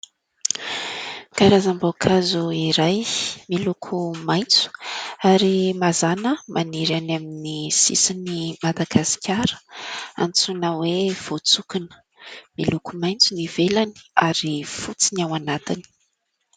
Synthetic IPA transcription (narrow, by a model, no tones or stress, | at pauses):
kaɾazambokʰazuiɾajmilukʰumajnt͡su̥aɾimazanəmʔaniɾanaminisḭsinimad̪aɡasi̥kʰʲaɾə̥a̰nt͡sunəwev̥ot͡sukinə̥ | milukumajnt͡sunivelani̥aɾifut͡sinawanat̪ini̥